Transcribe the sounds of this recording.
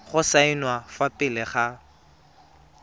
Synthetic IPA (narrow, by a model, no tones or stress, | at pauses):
χʊsainwafapʼɪlɪχa